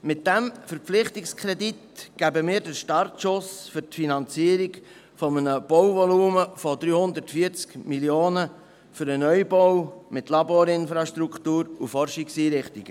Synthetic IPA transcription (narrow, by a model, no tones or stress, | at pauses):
mɪt̚d̥æmfəɾp͡flɪχt̪ɪkskʰχɾɛd̪it̪ɡ̥æbəmɪːɾdəʃtɑɾtʃʊsfʏɾtfinɑnt͡siəɾiɡ | fɔmənəb̥ɔwʋɔluːməfɔd̪ɾyːhʊnd̪əɾtfiəɾt͡skmiljoːnə | fʏɾənœjbɔwmɪt̪lɑboːɾɪnfɾɑʃt̪ɾukχt̪uːɾufɔrʃɪksiːɾɪχt̪iɡ̥ə